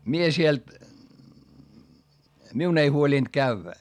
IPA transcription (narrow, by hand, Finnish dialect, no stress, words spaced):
mie siel miun ei huoliˑnd̥ kæʋːæ